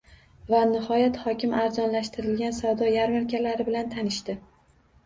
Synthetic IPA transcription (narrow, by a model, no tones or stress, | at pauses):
vanɪhɒjat̪hɒkʲɪmaɾzɒnlaʃt̪ʰɪɾɪlɡʲansavd̪ɒjaɾmaɾkʲalaɾɪbɪlant̪ʰanɪʃt̪ɪ